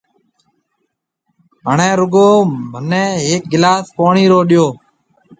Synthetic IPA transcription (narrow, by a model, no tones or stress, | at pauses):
ɦəɳẽːɾʊɡoːmənẽːɦeːk̚ɡɪlaːspoːɳiːɾoːɗɪjoː